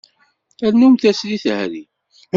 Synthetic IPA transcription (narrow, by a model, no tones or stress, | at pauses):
æɾnumθæsliθhɾi